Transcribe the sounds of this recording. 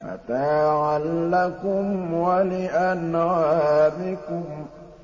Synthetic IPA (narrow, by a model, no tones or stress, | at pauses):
fa̰t̪aʕalːakʊmwalɪʔanɣaːbɪkʊm